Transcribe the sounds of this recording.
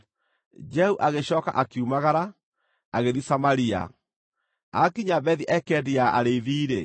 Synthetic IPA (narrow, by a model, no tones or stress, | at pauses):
d͡ʒɛhuʔaɣeɕɔːka̰ʔakiumaɣaɾa | aɣeðisamaɾia̰ | akiɲabɛðiʔɛkɛdiaaɾeiðiːɾe